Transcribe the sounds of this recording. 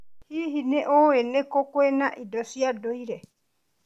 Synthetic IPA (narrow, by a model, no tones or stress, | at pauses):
hiɦineʔoenekɔkwenaʔidosiadoiɾe